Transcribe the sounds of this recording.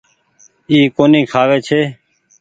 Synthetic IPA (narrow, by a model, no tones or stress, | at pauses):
iːkoːnĩːkʰaːʋeːt͡ʃʰeː